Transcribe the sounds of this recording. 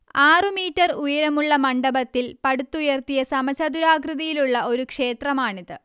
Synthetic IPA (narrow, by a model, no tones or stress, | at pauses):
aːrɨmiːtːɐrujɐɾɐmuɭːɐmɐɳɖɐbɐt̪ːilpɐɽut̪ːujɐrt̪ijɐsɐmɐɕɐd̪uɾaːɡrɨðɐjiluɭːɐʔo̞ɾukʂe̞ːt̪rɐmaːɳiðɨ